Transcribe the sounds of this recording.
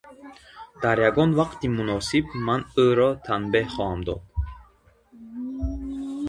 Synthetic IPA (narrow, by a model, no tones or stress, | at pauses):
d̪̥aɾjaɡɔnvaqt̪ʰimunɔsibmanəɾɔt̪ʰanbehχɔhamd̪ɔ̰d̪̥̚